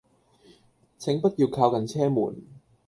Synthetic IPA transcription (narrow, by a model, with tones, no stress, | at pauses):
t͡sʰɪ˨˥ŋpɐ˥t̚jiː˧wkʰaː˧wkɐ˨nt͡sʰɛː˥mṵː˨˩n